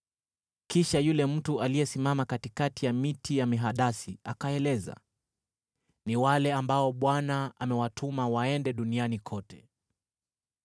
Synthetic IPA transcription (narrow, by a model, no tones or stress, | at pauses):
kiʃajulɛm̩tuʔalijɛsimamakatikatijamitijamiɦaɗasiakaɛlɛza̰ | niwalɛambaɔɓwanaa̰mɛwatʰumawaɛndɛɗunianikʰɔtʰɛ̥